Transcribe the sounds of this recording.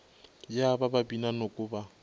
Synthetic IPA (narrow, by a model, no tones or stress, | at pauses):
jabababinanokʼʊːba